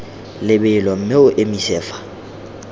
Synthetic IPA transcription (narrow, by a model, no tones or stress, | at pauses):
lɪbɪlɔm̩meʊʔemisɛːfḁ